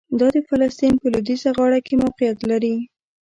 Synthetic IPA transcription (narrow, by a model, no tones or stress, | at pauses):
d̪ɑd̪əfalast̪inpəlʊd̪izaɣɑɽakemawqɪjat̪laɾi